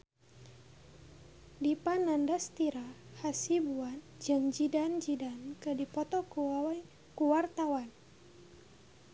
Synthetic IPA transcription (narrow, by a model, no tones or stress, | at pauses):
dipanandast̪iɾahasibuan | d͡ʒɨŋd͡ʒidand͡ʒidankɨdipɔt̪ɔk | kuwart̪awan